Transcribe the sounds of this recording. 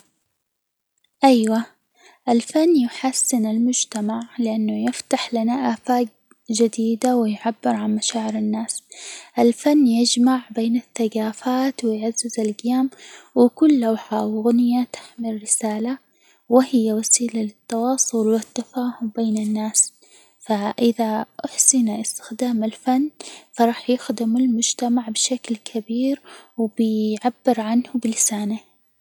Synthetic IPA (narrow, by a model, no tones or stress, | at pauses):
ʔajwa | ʔɪlfanːjɪħasːɪnɪlmʊd͡ʒt̪amaʕlɪʔanːʊjɪft̪aħlanaʔaːfaːk̚ | d͡ʒɪd̪iːd̪awɪjʕabːɪɾʕanmaʃaːʕɪɾɪnːaːsʔɪlfanːjɪd͡ʒmaʕbeːnɪθːaɡaːfaːt̪wɪjʕazːɪzɪlɡɪjaːmwɪkʊlːawħawɪɣnɪjat̪ḁħmɪlːɪsaːla | wɪhɪjːawasiːlalɪt̪ːɑwɑːsˤʊlwɪt̪ːafaːhʊmbeːnɪnːaːs | faʔɪðaʔaħsɪnaʔɪst̪ɪ̥xd̪aːmɪlfanːfɑɾˤɑːħjɪxd̪ɪmɪlmʊd͡ʒt̪amaʕbʃaklkʰabiːɾwbɪjʕabːɪɾʕanhʊbɪlɪsaːna